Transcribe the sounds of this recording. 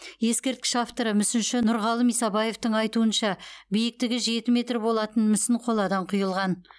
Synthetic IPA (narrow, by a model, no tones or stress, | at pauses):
je̞skʲe̞ɾt̪̚kʲɪ̥ʃaft̪oɾəmʏsɪnʃɪnʊɾʁɑlˠəmijsɑbɑje̞ft̪əɴɑjt̪uənʃɑbijɪk̚t̪ɪɡʲɪʒe̞t̪ɪme̞t̪rbo̞lˠɑt̪ənmɪsɪnqʰo̞lˠɑd̪ɑɴqʰʊjəlˠʁɑn